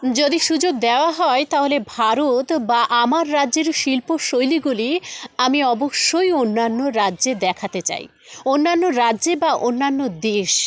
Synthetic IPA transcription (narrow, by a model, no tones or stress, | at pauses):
d͡ʑod̪iʃud͡ʑoɡ̚d̪eoaɦɔet̪aɦolebʱaɾot̪baʔamaɾːadʑeɾʃilpoʃojliɡuliamiɔboʃːojonːanːoɾadʑed̪ɛkʰat̪et͡ɕa̰j | onːanːoɾadːʑebaʔonːanːod̪eʃ